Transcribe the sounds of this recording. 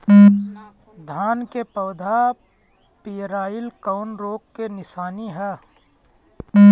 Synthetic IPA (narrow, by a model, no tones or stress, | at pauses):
d̪ʱaːnkepəːd̪ʱa | pijɾaːɪlkəʊnɾoːkːenɪsaːniɦɛː